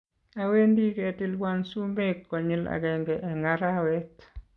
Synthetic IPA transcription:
awendiketilwansumekːɔɲila̰ɡɛŋɡɛʔɛŋɡaɾawɛt

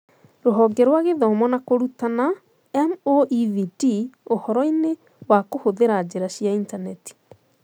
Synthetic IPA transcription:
ɾoɦɔɡɛɾwaɣeðɔmɔnakoɾutana | ɛmoʔiðidiohɔɾɔine | wakohoðeɾaːd͡ʑeɾaɕiaintanɛti̥

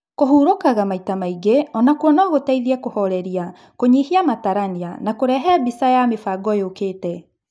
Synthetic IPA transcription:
koɦuːɾokaɣamaitamaiɡeɔnakwɔnɔɣotaiðiɛkohɔɾɛɾia | koɲihiamataɾanianakoɾɛɦɛbisajamefaːɡɔjokeːtɛ

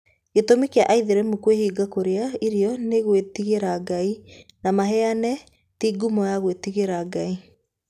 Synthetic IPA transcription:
ɡetomikeaʔaiðeɾɛmukwehiːɡakoɾeaiɾiɔneɣwetiɣeɾaɡainamaɦɛanɛ | tiɡumɔjaɣwetiɣeɾaɡai

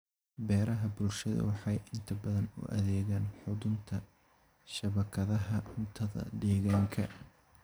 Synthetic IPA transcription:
bɛːɾɐɦɐbʊlʃɐðɐ̰wɑħɑjʔɪnt̪ʰɐbɐðɐnʊ̰ʔɐ̰ðɛːɣaːnħʊðʊnt̪ʰɐ | ʃɐβɐkʰɐðɐɦɐʊnt̪ʰɐðɐ̰d̪ɛːɣaːŋkʰɐ

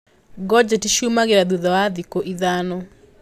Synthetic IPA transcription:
ɡɔd͡ʒetiʃumaɣeɾaðuðɔwaðikoʔiðanɔ

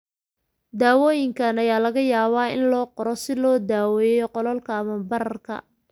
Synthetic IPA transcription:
d̪aːwɔːjɪŋkʰɐnɐjaːlɐɣɐjaːβaːɪ̰nlɔːqɔɾɔsɪlɔːd̪aːwɛːjɔqɔlɔlkʰɐːmɐbɐɾɐrkʰɐ̰

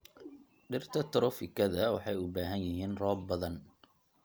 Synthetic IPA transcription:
ɖɪrt̪ʰɐt̪ʰʊɾɔfɪkʰɐðɐwɑħɑjʊbaːɦɐnjɪɦiːnrɔːbbɐðɐn

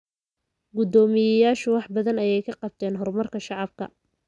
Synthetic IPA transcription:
ɡʊd̪ɔːmɪjɐjaːʃʊwɑħbɐðɐnɐjɛjkʰɐqɑb̚t̪ʰɛːnɦɔrmɐrkʰɐʃɑʕɑb̚kʰɐ

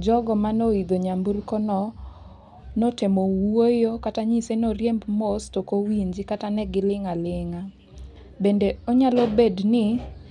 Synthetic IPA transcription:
d͡ʒɔɡɔmanoid̪oɲamburkɔnɔ | notemowojokataɲisenoɾjembmostokowiɲd͡ʒikatanɛɡɪlɪŋalɪŋa | bendeoɲalɔbednɪ

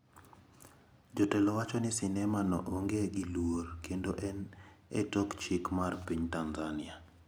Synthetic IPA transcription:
d͡ʒɔtɛlɔwat͡ʃɔnɪsɪnɛmanɔ̰ʔoŋɡeɡilworkendoʔɛnḛtɔkt͡ʃikmarpiɲtanzanɪa

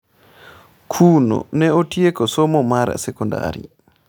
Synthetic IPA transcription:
kʰuːno̰nɛotiekɔsomɔmaɾa̰sɛkonda̰ɾḭ

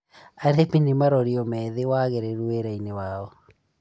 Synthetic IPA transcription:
aɾepinimaɾɔɾiɔmɛðewaɣeɾɛɾueɾainewaɔ

